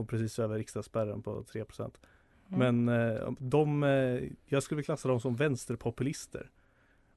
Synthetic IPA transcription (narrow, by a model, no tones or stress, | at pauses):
ɔmpʰɾɛsiːsøːvəɾɪkst̪aspæɾə̰npʰɔ̰t̪ʰɾeːpʰɾʊ̥sɛ̰nt̪ | mɛn̰d̪ɔm | jɑːɡskɵlːɪkʰlasːad̪ɔmsɔmvɛnst̪əɾpʰɔpɵlɪst̪ə̰ɾ